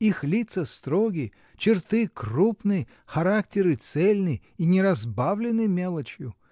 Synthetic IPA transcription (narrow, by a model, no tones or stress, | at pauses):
ixlʲit̪səst̪ɾoɡʲɪ | t͡ɕɪrt̪ɨkrupnɨj | xɐɾak̚tʲɪɾɨt̪sɛlʲnɨj | inʲɪɾɐzbavlʲɪnːɨmʲelˠət͡ɕjʊ